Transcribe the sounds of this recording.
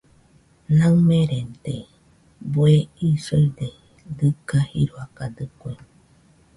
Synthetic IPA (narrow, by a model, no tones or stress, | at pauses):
nãŋmẽɾent̪e | boeisojd̪e | d̪ɨkahḭɾoakad̪ɨkʷe